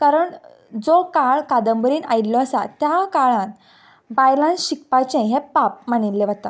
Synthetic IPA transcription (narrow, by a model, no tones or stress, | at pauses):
kaɾəɳ | d͡zokaɭkad̪əmbɾiːna̰illɔəsa̰t̪jakaɭãn | bajlãnɕikpat͡ɕẽɦepap̚məñilːeʋət̪a̰